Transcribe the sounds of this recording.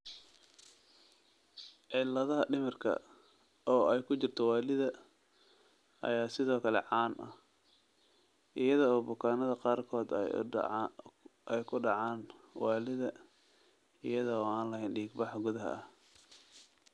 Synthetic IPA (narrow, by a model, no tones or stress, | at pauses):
ʕɪlːɐðɐɦɐɖɪmɐrkʰɐ̰ | ʔɔːɛjkʰʊt͡ʃɪrt̪ʰɔwɑːlɪðɐ | ʔɐ̰jaːsɪðɔːkʰɐlɛ̰ʕɑːnʔɐ̰ | ʔɪjɐðɔɔːbʊkʰaːnɐðɐqɑːrkʰɔːd̪̰ | ʔɛjkʰʊɖɑʕaːnwɑːlɪðɐ | ɪ̰jɐðɔɔːaːnlɐɦɛjnɖiːɡbɑħɑɡʊðɐɦɐ̰ɐh